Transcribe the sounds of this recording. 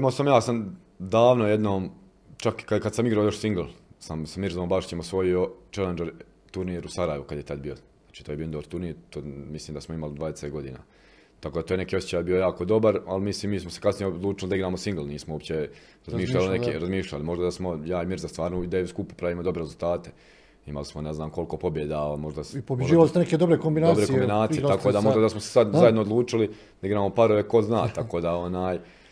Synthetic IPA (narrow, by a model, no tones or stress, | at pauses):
mosamjaːsam | d̪aːʋnojed̪noːm | t͡ʃakkːakad̪samiɡɾaojo̞ʃsiŋɡl̩ˠsamsamiɾzoːmbaʃi̥t͡ɕe̞mosʋo̞jot͡ʃɛlend͡ʒeɾ | t̪uɾniːɾusaɾaje̞ʋukad̪jet̪ad̪biːjo | aːt͡ʃi̥ːt̪ojebioind̪oɾt̪uɾniːɾt̪omisliːmd̪asmoimalid̪ʋaːd̪eset̪ɡo̞d̪ḭːna̰ː | t̪akod̪at̪oːjene̞kiːo̞sʲjʲe̥t͡ɕaːjbiːjo̞jaːko̞d̪o̞baɾa̰lmisliːmiːsmose̥kasnijeood̪lˠuːt͡ʃilid̪aiɡɾaːmosiŋɡl̩ˠniːsmouopt͡ɕe | ɾazmiːʃlʎalnekḭɾazmiːʃlʎa̰limo̞ʒd̪ad̪asmo̞jaːimiɾzast̪ʋaːɾnoid̪ejuskupu̥pɾaʋiːmod̪o̞bɾeɾezulˠt̪aːt̪e | imalismo̞neznaːmko̞lko̞po̞bje̞d̪almo̞ʒd̪aipobjʒiːʋalist̪eneked̪obɾekombinadobɾesobinaːt̪iet̪akoːd̪amod̪ad̪asmose̥sad̪zajed̪nod̪lˠuːt͡ʃili | d̪̥aiɡɾaːmo̞paɾoʋeko̞zna̰ːt̪ako̞ːd̪ao̞naːj